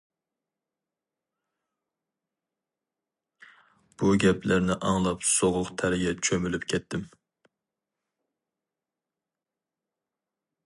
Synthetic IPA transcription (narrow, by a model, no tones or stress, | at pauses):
b̥uɡʲɛpʰlæɾnɪʔɑŋlˠɑpsoʁˠʊqt̪ʰæɾɪɡʲɛt͡ʃʰømylypkʲʰɛt̪ʰːɪm